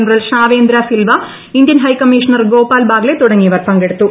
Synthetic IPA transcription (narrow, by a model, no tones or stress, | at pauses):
nɐɾɐlʂaːʋeːnd̪ɾasilʋɐ | ind̪jɐnɦɐjkɐmːiʂɐnɐrɡoːpaːlbaːɡlet̪uɽɐŋːijɐʋɐrpɐŋɡeɽut̪ːu